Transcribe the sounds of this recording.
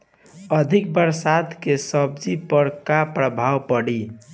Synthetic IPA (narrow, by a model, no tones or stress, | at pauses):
əd̪ʱik̚bəɾsad̪kesəb̚d͡ʒipəɾkapɾəbʱawpəɽi